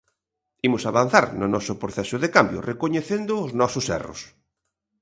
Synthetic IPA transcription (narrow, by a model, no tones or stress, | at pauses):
imʊsaβan̟θaɾnʊnɔsʊpɾoθɛsʊðekambjʊ̰rekoɲeθend̪ʊːznɔsʊsɛ̰rʊ̰s